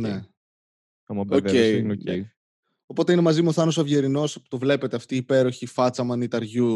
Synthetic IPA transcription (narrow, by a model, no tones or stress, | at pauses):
ne | ɐmɐboeinoei | o̞po̞t̪eine̞mɐzimuoθɐnosɐvʝeɾino̞spu̥t̪ovle̞pe̞t̪eɐft̪iːpe̞ɾo̞çifɐt͡sɐmɐnit̪ɐɾʝu